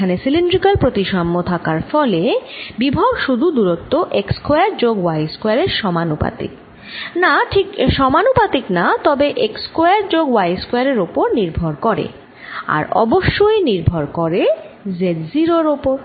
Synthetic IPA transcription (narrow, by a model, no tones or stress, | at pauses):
anesilinɖɾikalpɾot̪iʃamːot̪ʰakaɾfɔlebibʱabʃud̪ʱud̪uɾot̪ːoʔekskojaɾd͡ʑoɡwajskoaɾeɾʃɔmanupa̰t̪ḭk | naʈʰikʃɔmanupat̪iknat̪ɔbeʔekskoaɾd͡ʑoɡwajskoeaɾeɾopoɾniɾbʱoɾkɔɾḛ | a̰ɾɔ̰boʃːojniɾbʱoɾkɔɾezeɖziɾoɾopoɾ